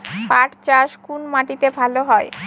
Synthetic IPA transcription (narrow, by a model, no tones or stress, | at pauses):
paʈt͡ɕaʃkunmaʈit̪ebʱaloɦɔe